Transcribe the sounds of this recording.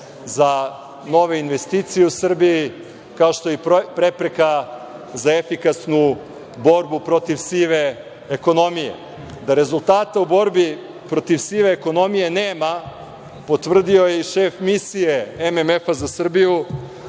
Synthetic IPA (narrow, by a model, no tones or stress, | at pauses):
za | no̞ʋe̞inʋe̞st̪it̪sijeusr̩biji | kaoʃt̪o̞jipɾepɾe̞ka | zaefikasnu | bo̞ɾbupɾo̞t̪iʋsiʋe̞ | eko̞no̞mijḛ | d̪aɾe̞zulˠt̪aːt̪aubo̞ɾbi | pɾo̞t̪iʋsiːʋe̞ːko̞no̞mije̞neːma | po̞t̪ʋr̩d̪io̞jeʃeːfmisije̞ememefazasr̩biju